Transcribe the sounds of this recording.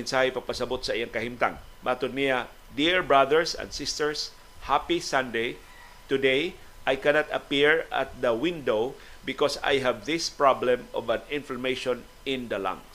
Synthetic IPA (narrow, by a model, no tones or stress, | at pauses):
mɪnsahɪpɐɡ̚pɐsɐbot̪sɐʔijaŋkɐhɪmt̪a̰ŋ | baːt̪ʊd̪nːɪja | d̪iɹbɹaðəɹsɛ̰̃nd̥̪sɪst̪ɛɹs | hapisãnd̪ej | t̪ʊd̪ej | ʔajkɛnat̪ɐpiɹʔa̰t̪̚ðɐwɪ̃nd̪ow | bɪkɔsa̰jɦavðɪspɹablɛ̃mɔvãnɪ̃nflamejʃɔ̃n | ɪ̃nd̪ɐlã̰ŋs